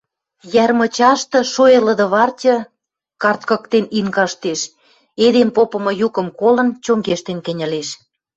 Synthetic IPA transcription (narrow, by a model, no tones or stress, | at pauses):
jærmɤ̆t͡ɕɑʃt̪ɤ̆ʃojelə̆d̪ə̆βɑrtʲɤ̆ | kɑrt̪̚kɤ̆kt̪eninkɑʃt̪eʃ | ed̪empopɤ̆mɤ̆jukɤ̆mkolə̆nt͡ɕoŋɡeʃt̪enkə̆nʲə̆leʃ